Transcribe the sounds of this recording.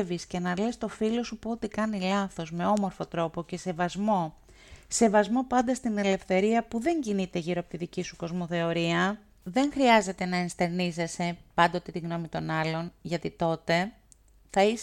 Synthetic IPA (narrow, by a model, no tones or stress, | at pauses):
visce̞nɐle̞st̪o̞filo̞supoot̪ikɐnilɐθo̞zme̞o̞mo̞ɾfo̞t̪ɾo̞po̞ce̞se̞vɐzmo̞ | se̞vɐzmo̞pɐnd̪ɐst̪ine̞le̞fθe̞ɾiɐpuðe̞ɲɟinit̪e̞ʝiɾoɐpo̥t̪iðicisuko̞zmo̞θe̞o̞ɾiɐ | ðe̞ŋxɾiɐze̞t̪e̞nɐenst̪e̞ɾnize̞se̞pɐnd̪ot̪et̪iɣno̞mit̪o̞nɐlo̞nʝɐt̪it̪o̞t̪e̞ | θɐis